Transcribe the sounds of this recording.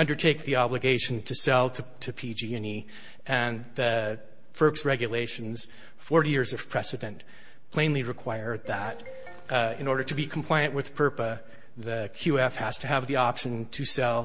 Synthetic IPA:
ʌ̃ndə˞tʰeɪk̚ðiɑblɨɡeɪʃn̩tʰɨsɛlˠtʰɨtʰɨpʰid͡ʒiɛ̃ni | ʔɨ̃nðɨ | fɜ˞ksɹɛɡjɨleɪʃɨ̃nz̥ | fɔɹɾijɪɹzʌv̥pʰɹ̥ɛsɨɾɨ̃n | pʰl̥ẽɪ̃nliɹɨkʰw̥aɪə˞d̪̚ðəɾ | ɪ̃nɔɹɾə˞ɾɨbikʰm̩pʰl̥aɪɨ̃nʔwɨð̥pʰɜ˞pə | ðɨkʰj̥ʉɛfhɨz̥tʰɨːvðiɑpʃɨ̃ntʰɨsɛlˠ

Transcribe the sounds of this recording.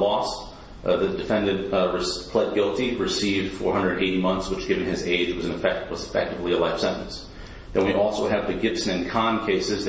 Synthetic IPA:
lɔst | ðɨdɨfɛ̃ndɨd̚ɹɨspʰl̥ɛd̚ɡɪlˠtiɹɨsivd̥fɔ̰ɹhʌ̃ndɹə˞ɨ̃nʔeɪɾimʌ̃nθswət͡ʃɡ̥ɪvɨ̃n̩ɨzeɪd͡ʒwʌz̃n̩ɨfɛwʌzɨfɛ̰k̚tɨvliəlaɪfsɛ̰̃ntɨ̃n̩s | ðɨ̃nwiʔɔlˠsoʊɨvðɨɡɪpsnɨ̃nkʰɑ̃nkʰeɪsɨz

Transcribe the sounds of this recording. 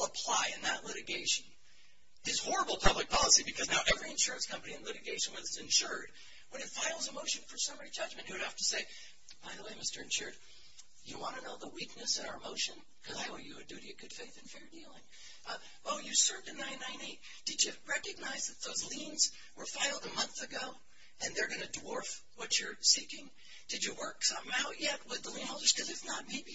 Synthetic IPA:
əpʰl̥aɪɨ̃nðəʔˡlɪɾɨɡeɪʃɨ̃n | ðɨz̥hɔɹəbl̩ˠpʰʌblɨk̚pʰɑlˠəsibɨkʰʌznaʊʔɛvɹiɨ̃nʃʊɹɨ̃nskʰʌ̃mpɨniɨ̃nlɪɾɨɡeɪʃɨ̃nwʌðɨsɨ̃nʃʊɹd̚ | wə̃nɨtfaɪlˠzəmoʊʃɨ̃nfə˞sʌ̃mɛɹid͡ʒʌd͡ʒmɨ̃nʔhʉɨ̥hæftɨseɪ | b̥aɪðəweɪmɪstə˞ɨ̃nʃʊɹd̚ | jɨwɑ̃ñɨnoʊðəwik̚nɨsʌ̃vaʊə˞moʊʃɨ̃n | kʰʌzaɪwəjɨɨdʉɾiɨvɡʊd̥feɪθɨ̃nfɛɹdilˠɪ̃ŋ | ʔʌ | ʔoʊjɨsɜ˞vdɨnãɪ̃nãɪ̃neɪt̚ | d̥ɨd͡ʒɨɹɛkɨɡ̚naɪzðɨt̪̚ðoʊzlĩnz | wə˞faɪl̩ˠd̪əmʌ̃nθɨɡoʊ | ɨ̃nðə˞ɡʌnɨdwɔɹf | wʌt͡ʃə˞sikɪ̃ŋ | d̥ɨd͡ʒɨwɜ˞ksʌ̃mmaʊʔ̚jɛt̚wɨðəlĩnhoʊlˠdə˞z̥kʰʌzɨfnət̚meɪbi

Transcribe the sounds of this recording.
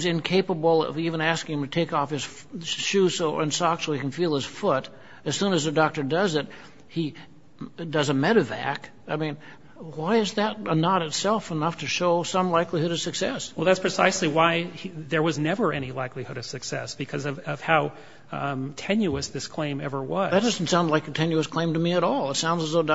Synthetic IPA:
zɨ̃nkʰeɪpəbl̩̰ˠʌ̰vivɨ̃næskɪ̃ŋɨ̃mtʰɨtʰeɪkɔfhɨz̥ | ʃʉsoʊɨ̃nsɔksoʊikn̩filˠɨz̥fʊɾ | ɨz̥sũnɨzðɨdɔk̚tə˞dʌzɪt̚ | hi | dʌzəmɛɾɨvæ̰k | aɪmĩn | waɪɨzðɨɾənəɾɨtsɛlˠfənʌftʰɨʃoʊsʌ̃mlaɪklihʊɾʌv̥sɨksɛswɛlˠðætspʰɹ̥ɨsaɪsliwaɪðə˞wʌznɛvə˞ɛñilaɪklihʊɾʌv̥sɨksɛ̰sb̥ɨkʰʌzʌvʌv̥haʊ | tʰɛ̃njʉɨsðɪskʰl̥ẽɪ̃mɛ̰və˞wʌðɨt̚d̥ʌzn̩tsãʊ̃ndlaɪkɨtʰɛ̃njʉəskʰl̥ẽɪ̃mtɨmiɨɾɔlˠətsãʊ̃ndzəzoʊ

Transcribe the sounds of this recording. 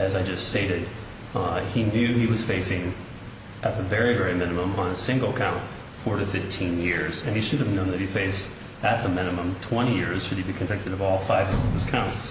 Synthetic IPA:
ɨzaɪd͡ʒʌststeɪɾɨd̚ | injʉiwʌz̥feɪsɪ̃ŋ | ʔɨt̪̚ðɨvɛɹivɛɹimɪ̃nɨmə̃mə̃nəsɪ̃ŋɡl̩ˠəkʰãʊ̃nt | fɔɹɾɨfɪftʰĩnjɪɹz̥ɨ̃niʃʊɾɨvnõʊ̃nðɨt̚hifeɪst | ɨt̪̚ðəmɪ̃nɨmə̃mtʰw̥ɛ̃ɾ̃ijɪɹz̥ʃɨd̚ibikʰɨ̃ɱvɪk̚tɨɾʌvɔlˠfaɪvjɪzʌv̥ɨz̥kʰãʊ̃ns

